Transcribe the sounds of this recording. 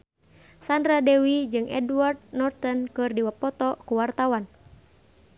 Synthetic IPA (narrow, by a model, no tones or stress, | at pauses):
sandɾadɛwid͡ʒɨŋʔɛ̰dward̪̚nɔrt̪ɔnkɨrdiwapɔt̪ɔkuwart̪awan